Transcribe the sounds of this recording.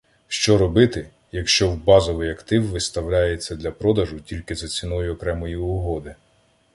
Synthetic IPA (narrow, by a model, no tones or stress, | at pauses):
ʃt͡ʃɔɾɔbɪt̪ɪ | jɐkʃt͡ʃɔwbɑzɔʋɪjɐkt̪ɪwʋɪst̪ɐwlʲajet͡sʲːɐd̪lʲɐpɾɔd̪ɐʒʊtʲilʲkɪzɐt͡sʲinɔjʊɔkɾɛmɔjiʊɦɔd̪ɪ